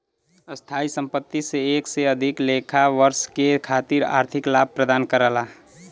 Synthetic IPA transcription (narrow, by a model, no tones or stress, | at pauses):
əst̪ʰaːisə̃mpət̪ːiseeːkseəd̪ʱɪkleːkʰaʋəɾskekʰaːt̪iɾa̰ːɾt̪ʰɪklaːb̚pɾəd̪aːnkəɾəla